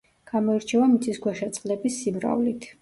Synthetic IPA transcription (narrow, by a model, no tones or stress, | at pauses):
ɡ̥amɔiɾt͡ʃʰɛvamit̪sʰisɡwaʃat̪sʼqʼlɛbisːimɾa̰vlit̪ʰ